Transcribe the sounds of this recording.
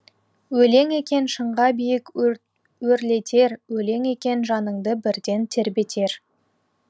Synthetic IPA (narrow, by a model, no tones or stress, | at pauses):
wɵle̞ŋe̞kʲe̞nʃəɴʁɑbijɪk | wɵɾle̞t̪ʰe̞ɾwɵle̞ŋe̞kʲe̞nʒɑnəɴd̪əbɪɾd̪e̞nt̪ʰe̞ɾbe̞t̪ʰe̞ɾ